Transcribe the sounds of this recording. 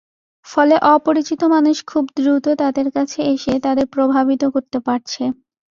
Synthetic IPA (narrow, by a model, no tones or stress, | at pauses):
fɔleʔɔpoɾit͡ɕit̪omanuʃkʰubd̪ɾut̪ot̪ad̪eɾkat͡ɕʰeeʃet̪ad̪eɾpɾobʱabit̪okoɾt̪epaɾt͡ɕʰe